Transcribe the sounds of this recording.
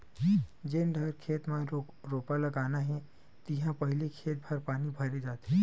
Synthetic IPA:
d͡ʒenɖʱɐɾkʰeːt̪mã | ɾoːpalɐɡaːnaɦɛ̃ | t̪ɪɦãpɐɦlekʰeːt̪̚bʱɐɾpaːnibʱɐɾed͡ʒaːt̪eɦɛ̃

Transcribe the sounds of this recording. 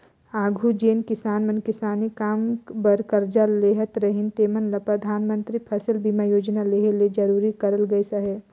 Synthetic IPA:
aːɡʱud͡ʒeːnkɪsaːnmɐnkɪsaːnikaːmbɐɾkəɾd͡ʒaleːɦət̪ɾɐɦɪnt̪eːmənlɐpɾɐd̪ʱaːnmə̃nt̪ɾipʰɐsɪlbimajoːd͡ʒnaleɦeled͡ʒɐɾuːɾikɐɾəlɡɐisɐɦeː

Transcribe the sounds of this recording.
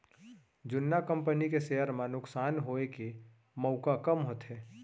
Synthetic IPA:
d͡ʒʊnːakə̃mpənikeseɦəɾmãnʊksaːnɦoeke | məʊkakəmɦoːt̪ɦɛː

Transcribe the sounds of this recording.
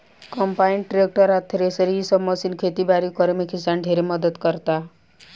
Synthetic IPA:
kɔmpaiɳʈɾek̚ʈəɾat̪ʰːeɾesəɾisɔbmɔsinkʰet̪ibaːɾikɔɾemekʰisanɖʱeɾemʌd̪əd̪kəɾt̪a

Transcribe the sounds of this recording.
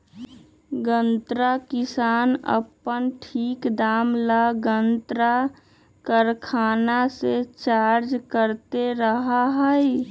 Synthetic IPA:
ɡə̃nt̪ɾakɪsaːnə̰pːənʈʰiːkd̪aːmlaɡənt̪ɾa | kəɾkʰaːnaset͡ʃaːɾd͡ʒkəɾt̪eɾəɦaɦəi

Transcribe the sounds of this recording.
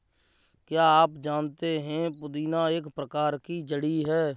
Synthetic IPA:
kjaːaːpd͡ʒaːnt̪eɦɛ̃pʊd̪iːnãːeːkpɾəkaːɾkid͡ʒəɽiɦɛː

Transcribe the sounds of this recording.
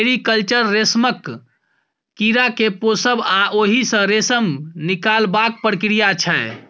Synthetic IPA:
eɾikəlt͡ʃəɾːesməkː | iɾakeposəbaʔoɦisə̃ɾesəmnikalbak̚pəɾkɾijat͡ʃʰɛe

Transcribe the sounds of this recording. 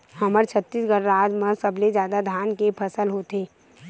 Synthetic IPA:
həməɾt͡ʃʰət̪ːiːsɡəɾːaːd͡ʒmə̃səbled͡ʒjaːd̪ad̪ʱaːnkepʰəsəlɦot̪eː

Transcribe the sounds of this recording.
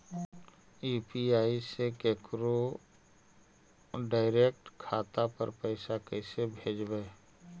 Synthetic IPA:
juːpiaːisekeːkɾo | ɖaːɪɾeːk̚ʈkʰaːt̪apə̰ɾpɛɪsakɛɪsebʱeːd͡ʒbɛː

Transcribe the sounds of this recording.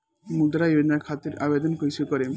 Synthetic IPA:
mud̪ɾajed̪naɾkʰat̪ːiɾʔabed̪ɔnkojsikɔɾe

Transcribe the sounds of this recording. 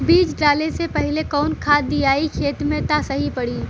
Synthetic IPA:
biːt͡ʃʈɾaːlesepɐɦɪlekɔːnkʰaːd̪iaːikʰeːt̪mẽt̪asɐɦipɐɽiː

